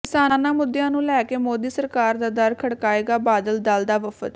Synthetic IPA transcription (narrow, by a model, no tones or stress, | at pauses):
kɪsaːnãːmʊd̪ːjãːnũːlɛːkeːmoːd̪iːsəɾkaːɾd̪aːd̪əɾkʰəɽkaːeːɡaːbaːd̪əld̪ald̪aːʋəfə̰t̪